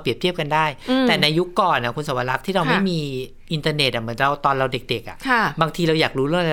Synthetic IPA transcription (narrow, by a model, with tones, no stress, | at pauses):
pɾi˨˩əp̚t̪ʰi˥˩əp̚ka˧ndaː˥˩jt̪ɛː˨˩na˧jːu˦˥kːɔː˨˩nʔa˨˩kʰu˧nsa˨˦wa˧la˦˥k̚t̪ʰiː˥˩ɾa˧wma˥˩jmiː˧ | ʔi˧nt̪aː˧ne˨˩t̪ʔa˨˩mɯ˩˦ənɾa˧wt̪ɔː˧nɾa˧wde˨˩k̚de˨˩k̚ʔa̰˨˩kʰa˥˩baː˧ŋt̪ʰiː˧ɾa˧wjaː˨˩k̚ɾuː˦˥ɾɯ˥˩ŋʔa˧˦